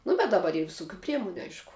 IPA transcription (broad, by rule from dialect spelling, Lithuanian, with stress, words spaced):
ˈnʊ bʲɛt dɐˈbɐr ɪr ʋʲɪˈsʊkʲʊ ˈpʲrʲiɛmʊnʲʊ ˈɐɪʃkʊ